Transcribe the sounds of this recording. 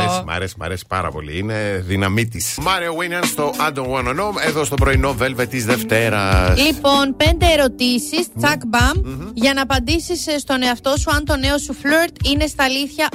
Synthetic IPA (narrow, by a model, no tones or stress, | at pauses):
esimɐ̰ɾesimɐ̰ɾesi̥pɐɾɐ̰po̞̰lḭineðinɐmit̪ismɐɾiowiniɐnst̪o̞ʔɐd̪onwɐnonomeðost̪obɾo̞inovelvet̪izðeft̪e̞ɾɐslipo̞npe̞nd̪e̞ːɾo̞t̪isist͡sɐkbɐmʝɐnɐːpɐnd̪isisst̪o̞ne̞ɐft̪o̞suɐnt̪o̞ne̞o̞suflueɾt̪ine̞st̪ɐːliθçɐ